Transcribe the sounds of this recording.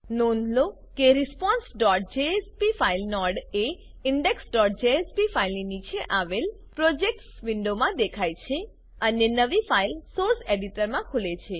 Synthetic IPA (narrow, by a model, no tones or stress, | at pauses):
nonlo | keɾispɔ̃nsɖɔʈ̚d͡ʒeespifailnɔɽe | iɳɖeksɖɔʈ̚d͡ʒeespifailninit͡ʃʰeʔaʋel | pɾod͡ʒek̚ʈsʋiɳɖomãd̪ekʰajt͡ʃʰe | ənenəʋifailsoɾseɖiʈəɾmãkʰulet͡ʃʰe